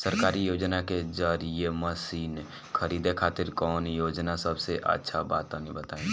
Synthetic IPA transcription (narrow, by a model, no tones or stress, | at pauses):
səɾkaːɾijoːd͡ʒnaked͡ʒəɾijeməsiːn | kʰəɾiːd̪ekʰaːt̪ɪɾkɔːnjoːd͡ʒnasəbseʔə̰tːʃʰabaːt̪anibət̪aːẽ